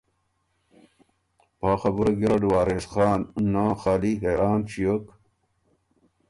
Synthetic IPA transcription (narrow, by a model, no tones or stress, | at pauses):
paːxɐbuɾɐɡiɾɐɖuwaːɾeːsxaːnːãːxaːliɦeːɾaːnɕijok